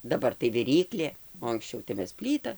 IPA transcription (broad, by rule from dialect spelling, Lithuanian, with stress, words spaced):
dɐˈbɐr tɐɪ ʋʲɪˈrʲiːklʲeː oː ɐŋksʲˈt͡ʃʲɛʊ tɐɪ ˈmʲɛs ˈpʲlʲiːtɐ